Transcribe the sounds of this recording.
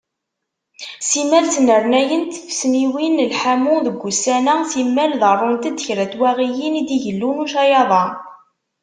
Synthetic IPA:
simælt͡snəɾˤnæjənt̪əfsniwinəlħamʊðəɡʷːusænæsimːælðɑrˤːont̪əd̪əçɾæt̪wæʁijinid̪iʝəlːunuʃɑjɑðˤɑ

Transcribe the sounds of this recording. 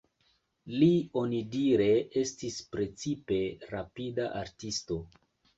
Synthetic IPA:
lio̞nidiɾe̞ʔe̞stispɾe̞t͡sipe̞ɾapidaʔaɾtisto̞

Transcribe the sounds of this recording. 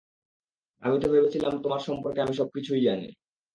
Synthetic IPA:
a̰mit̪ebebet͡ɕʰilamt̪omaɾʃɔmpoɾkeamiʃ̬ɔb̚kit͡ɕʰujd͡ʑanḭ

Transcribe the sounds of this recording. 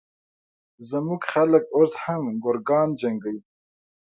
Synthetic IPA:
zəmuɡxaləkoshamɡʊɾɡɑːnd͡ʒaŋɡəj

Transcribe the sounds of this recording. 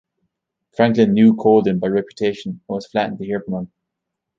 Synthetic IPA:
fɹãŋklɪ̃nːjʉːkʰoːlˠdɪ̃mbaɪɹɛpjətʰeɪʃə̃nə̃nwɒz̥flaʔɪ̃ŋt̪əhiɹpəmə̃n

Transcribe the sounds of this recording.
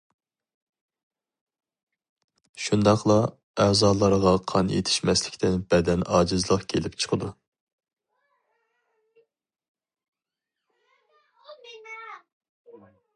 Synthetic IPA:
ʃund̪ɑqlˠɑ | æːzɑːlˠɑɾʁɑqʰɑnjḛt̪ʰɪ̥ʃmɛslɪkʲt̪ʰɪnbɛd̪ɛnɑːd͡ʒɨzlˠəqkʲʰelɪpt͡ʃʰə̥qʰəd̪u

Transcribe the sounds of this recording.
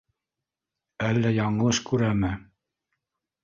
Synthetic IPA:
ælːæjɑɴɤ̆lˠɤʃkʉɾæmɘ

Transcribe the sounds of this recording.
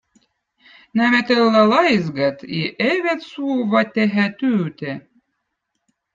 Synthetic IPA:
næmet̪ɤlːælˠɑjzɡɑt̪ḭʔeβet̪suβɑt̪ːeɦæt̪yːt̪e

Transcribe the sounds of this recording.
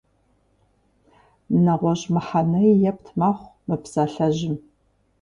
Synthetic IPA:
mnɐʁʷɔʑmɨħanɐjjɛp̚tʰmaːχʷmɨpsaːɬɐʑɪm

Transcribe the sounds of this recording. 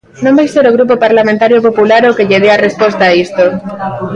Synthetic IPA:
nõmbejseɾoɣ̞ɾup̬opaɾlamẽnt̪aɾjopo̞pulaɾoke̞ʎeð̞eare̞spwe̞st̪aːist̪o

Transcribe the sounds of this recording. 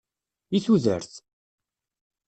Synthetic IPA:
iθuðə̰ɾθ

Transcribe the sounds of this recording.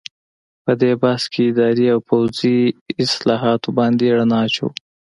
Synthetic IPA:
pəd̪ebaskʰeɪd̪ɑɾiawpawziɪslɑɦɑt̪obɑnd̪eɽanɑt͡ʃo̰w

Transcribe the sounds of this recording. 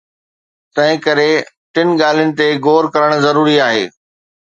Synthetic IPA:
t̪ɐ̃ɦɪ̃kɐɾe | ʈɪnɠaːl̤jʊnɪ̆t̪eɡoːɾkɐɾəɽ̃̆zɐɾuːɾiaːɦḛː

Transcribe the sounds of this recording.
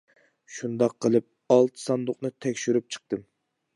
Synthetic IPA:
ʃund̪ɑqʰːəlˠɨp̚ | ɑlˠt̪ʰɨ̥sɑnd̪ʊqnɨt̪ʰɛkʲʃyɾyp̚t͡ʃʰə̥q̚t̪ɨm

